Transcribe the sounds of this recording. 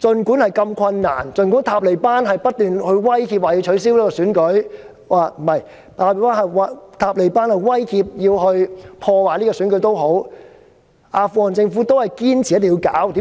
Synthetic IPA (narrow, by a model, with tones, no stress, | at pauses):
t͡sɵ˧nkuː˨˥nhɐ˨jkɐ˧mkʰɐ˧nːa̰ː˨˩nt͡sɵ˧nkuː˨˥nt̪ʰaː˧p̚le˨˩paː˥nɦɐ˨jpɐ˥t̚t̪yː˨nhɵ˧ɥwɐ˥jkiː˧p̚waː˨ji˧wt͡ʃʰɵ˨˥ɥs̬i˥wliː˥kɔː˧syː˨˥nkɵ˨˥ɥ | waː˨˩m̩˨˩hɐ˨j | t̪ʰaː˧˩i˨˧paː˥nhɐ˨wa˨˧t̪ʰaː˧p̚le˨˩jpaː˥nhɐ˨˩jwɐ˥jhʰiː˧p̚jiː˧whɵ˧ɥpʰɔː˧waː˨˩liː˥kɔː˧syː˨˥nkɵ˨˧˥jt̪o˥wɦo˨˥w | ʔaː˧fuː˧˩hɔː˨˩nt͡sɪ˧ŋfuː˨˥t̪o˥whɐ˨jkiː˥nt͡sʰi˨ɐ˥t̪̬ŋ˧ji˧wka̰ː˨˥wt̪iː˨˥